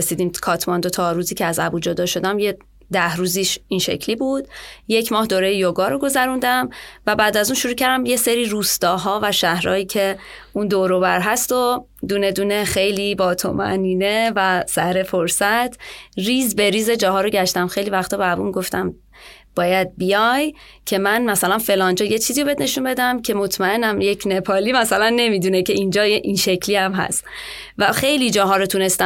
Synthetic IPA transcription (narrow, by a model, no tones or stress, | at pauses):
esiːd̪iːmkʰɒːt̪ʰmɒnd̪ot̪ʰɒɾuːziːcʰeæzæbuːd͡ʒod̪ɒːʃo̞d̪æmje | d̪æhɾuːziːʃiːnʃe̞̰cʰliːbuːd̪̥je̞cʰmɒːhd̪oːɾejejoɡɒːɾoɡo̞zæɾund̪æmvæbæːd̪æzunʃuɾuːcʰæɾd̪æmjeseɾiːɾuːst̪ɒːɦɒːvæʃæhɾɒ̰ːjiːcʰe̞ | und̪oɾobæɾɦæst̪o̞ | d̪uːne̞d̪uːne̞xe̞jliːbɒːt̪ʰo̰mæ̰niːnevæsæhɾe̞foɾsæt̪ʰriːzbe̞ɾiːze̞d͡ʒɒːɦɒːɾoɟæʃt̪æmxe̞jlivæxt̪ɒːbæbuːmiɡo̞ft̪æm | b̥ɒːjæd̪̚bijɒj | cʰe̞mænmæsælænfe̞lɒːnd͡ʒɒːjet͡ʃʰiːziːobe̞d̪ne̞ʃunbe̞d̪æmcʰe̞mo̞t̪ʰmæe̞næmjecʰne̞pʰɒːliːmæsælænːe̞mid̪uːnecʰe̞ind͡ʒɒːjeʔinʃe̞cʰliːæmɦæ̰st̪ | væxe̞jliːd͡ʒɒːɦɒːɾot̪ʰune̞st̪æ